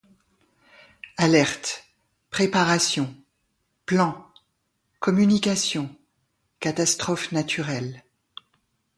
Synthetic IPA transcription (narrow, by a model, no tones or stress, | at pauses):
alɛʁt̪ | pχepaʁasjɔ̃ | plɑ̃ | kɔmynikasjɔ̃ | kat̪ast̪χɔfnat̪ʰyʁɛl